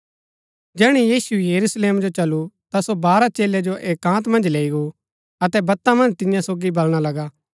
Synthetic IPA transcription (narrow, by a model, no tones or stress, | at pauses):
d͡ʒɛːɽ̃ijiːsujɐɾuːsleːmd͡ʒot͡ʃɐlut̪asobaːɾat͡ʃeːlɛd͡ʒoʔeːkːãːt̪mɐ̃nd͡ʒleːiɡo | ɐt̪ɛbɐt̪ːãmɐ̃nd͡ʒt̪ɪ̃jãsoːɡibɐlɽ̃alɐɡaː